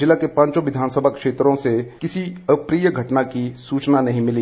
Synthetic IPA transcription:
d͡ʒɪlakepãːɲt͡ʃõʋɪd̪ʱaːnsəbʱakʃeːt̪ɾõsekɪsiəpɾiːjəɡʱɐʈnakisuːt͡ʃnanɐɦĩmɪli

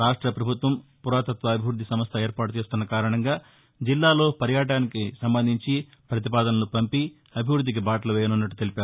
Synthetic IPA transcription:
ɾaːʂʈɾɐpɾɐbʱut̪ʋɐmpuɾaːt̪ɐt̪ʋɐːbʱiʋɾud̪ːisɐmɐst̪ʰɐeːɾpaːʈut͡ʃe̞ːst̪unːɐkaːɾɐɳɐŋɡaː | d͡ʒilːaːlo̞ːpɐɾjaːʈ̬aːnikisɐmbɐnd̪ʱiɲt͡ʃi | pɾɐt̪̬ipaːd̪ɐnɐnupɐmpi | ɐbʱiʋɾud̪ʱːik̬ibaːʈɐlɐʋɛːjɐnunːɐʈːut̪elipaːɾu

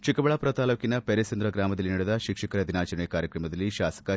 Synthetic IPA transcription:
t͡ʃikɐbɐɭɐpɾɐt̪aːloːkinɐpeɾɐsɐnd̪ɾɐɡɾaːmɐd̪ɐlinɐɽud̪ɐʃikʂɐkɐɾɐd̪inaːt͡ʃɐɾɐɳejɐkaːɾjɐkɾɐmɐd̪ɐlːiʃaːsɐ̥kɐ

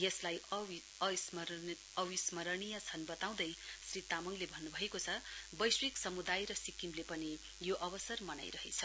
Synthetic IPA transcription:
jʌslaj | s | ʌwismʌɾʌnijat͡sʰʌnbʌt̪aw̃d̪ʌjsrit̪amʌŋlebʱʌnːubʱʌekot͡sʰʌbʌjswiksʌmud̪ajɾʌsikimlepʌni | joʔʌβʌsʌrmʌna̰jɾʌɦḛt͡sʰʌ

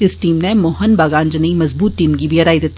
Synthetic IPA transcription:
ɪsʈiːmnẽmoːɦənbaːɡãːnd͡ʒənimɐzbuːt̪ːiːmkibʱiɐɾaːid̪eːt̪

